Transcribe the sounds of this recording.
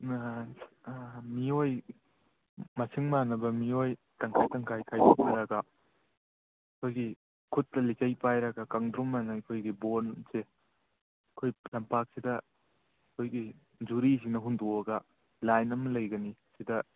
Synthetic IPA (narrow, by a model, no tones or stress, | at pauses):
mioj | mɐsʰiŋmanɐbɐmioj | tɐŋkʰajtɐŋkʰajkʰajpʰuk̚nɐɾɐɡɐ | kʰojɡi | kʰut̚ːɐlikɐjpajɾɐɡɐkaŋdɾumanɐikʰojɡibonse | ɐkʰojlɐmpak̚sidɐ | kʰojɡi | d͡ʒuɾis̬inɐɦundɔɐɡɐ | lajnɐmɐlɐjɡɐnisidɐ